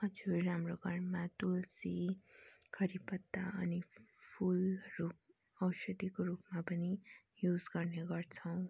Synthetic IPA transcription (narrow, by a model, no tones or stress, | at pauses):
ʌd͡zuːamroɡʱʌɾmat̪ulsi | kʰʌɾipʌt̪ːaʌnipʰulruk | ʌwʃʌd̪ikoɾupmapʌni | jud͡zɡʌrneɡʌrt͡sʰʌw̃